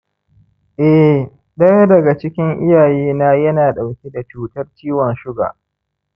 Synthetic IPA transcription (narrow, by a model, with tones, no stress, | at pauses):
ʔɛ˦ | dɐ˦n˦dɐ˨ɡa˨t͡ʃɪ˦kʲɪ˦ŋʔɪ˦jaː˨jeː˦naː˦jɐ˦naː˨ɗa˨wkʲe˦da˨t͡ʃuː˦tɐ˦rt͡ʃiː˦wɔ˨nʃʊ˦ɡa̰ː˨